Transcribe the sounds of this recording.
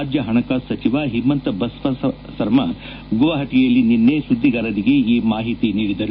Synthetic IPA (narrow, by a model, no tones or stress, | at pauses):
d͡ʒjɐɦɐɳɐkaːsɐt͡ʃiʋaɦimːɐnt̪ɐbɐsʋɐ | sɐɾmɐ | ɡuʋɐɦɐʈijɐlːininːesud̪ʱːiɡaːɾɐɾiɡeiːmaːɦit̪iniːɽid̪ɐɾu